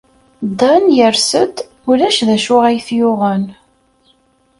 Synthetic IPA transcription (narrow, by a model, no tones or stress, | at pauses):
d̪ˤɑnjəɾsət̪ | ʊlæʃðæʃʊʁæjθjʊʁən